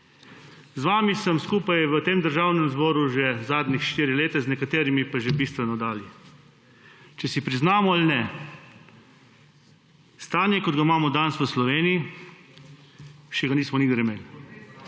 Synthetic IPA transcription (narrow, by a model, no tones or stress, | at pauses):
zʋaːmisəmskuːpajʋət̪eːmd̪əɾʒawnɛmzbɔːɾuʒɛzaːd̪nixʃt̪iːɾileːt̪ɛznɛkat̪eːɾimipaʒɛbist̪ʋɛnɔd̪aːlji | t͡ʃɛsipɾiznaːmɔalnɛ | st̪aːnjɛkɔd̪ɡamaːmɔd̪ansʋəslɔʋeːnii | ʃɛɡaniːsmɔniɡd̪ɛɾɛmeli